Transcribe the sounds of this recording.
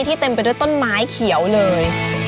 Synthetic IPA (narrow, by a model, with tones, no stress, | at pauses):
t̪ʰiː˥˩t̪e˧mpa˧jdu˥˩əjt̪o˥˩nmaː˦˥jkʰi˩˦əwlɤː˧j